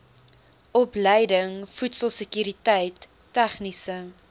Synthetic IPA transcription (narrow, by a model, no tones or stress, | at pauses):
ʔɔpləjdəŋfutsəlˠsəkyɾitəjtː | æχnisə